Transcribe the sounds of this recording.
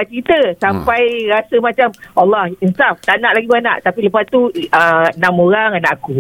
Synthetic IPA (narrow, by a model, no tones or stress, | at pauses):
at͡ʃəɾit̪əsampajɾasəmãt͡ʃamalːahinsaft̪anaʔlaɡibəana̰ʔt̪apiləpast̪uənãmoɾaŋanaʔaku